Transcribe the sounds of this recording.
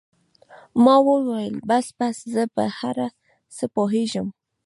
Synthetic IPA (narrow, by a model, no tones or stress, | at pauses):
mɑwəwajəlbasbaszəpə̰haɾa | səpoɦeʒəm